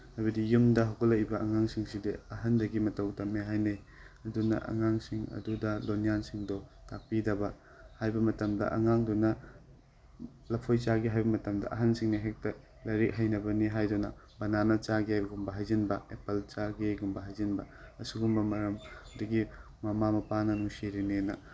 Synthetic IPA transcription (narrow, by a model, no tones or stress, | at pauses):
hajbɐdijumdɐɦawkɐlɐjbɐɐŋaŋsiŋsideɐɦɐndɐɡimɐtɐwtɐmeɦajnej | ɐdunɐ̰ʔɐ̰ŋaŋsiŋɐ̰dudɐlonijansiŋdɔtak̚pidɐbɐ | hajbɐmɐtɐmdɐ̰ʔɐ̰ŋaŋdɔnɐ | lɐpʰojt͡ʃaɡiɦajbɐmɐtɐmdɐ̰ʔɐɦɐnsiŋniɦek̚tɐ | lɐɾik̚hɐjnɐbɐniɦajdunɐ̰ | bɐnanɐt͡ʃaɡeɡumbɐɦajzinbɐepɐlt͡ʃaɡeɡumbɐɦajzinbɐɐsuɡumbɐmɐɾɐmduɡi | mɐmamɐpanɐnuŋsiɾinenɐ